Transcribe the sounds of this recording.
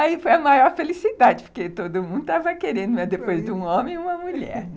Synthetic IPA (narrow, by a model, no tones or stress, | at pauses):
aifojɐmajɔɾfelisid̪ad͡ʒɪpʊ̥ɾket̪od̪ʊmũd̪ʊt̪avɐkeɾẽnd̪ʊmɐzd̪epojzd̪ɪũõmẽj̃ũmɐmuʎɛ̰ɾ